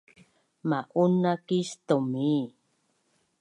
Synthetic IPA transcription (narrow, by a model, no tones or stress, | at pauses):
maʔunakist̪omi